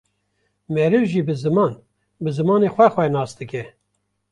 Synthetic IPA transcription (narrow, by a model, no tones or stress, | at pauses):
mɛɾɨvʒiːbɨzɨmɑːn | bɨzɨmɑːneːxʷɛxʷɛnɑːsd̪ɨkɛ